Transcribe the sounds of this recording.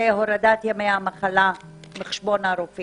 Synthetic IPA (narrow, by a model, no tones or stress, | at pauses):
eɦoɾad̪at̪jamejamaχala | meχe̥ʃbo̞naɾofi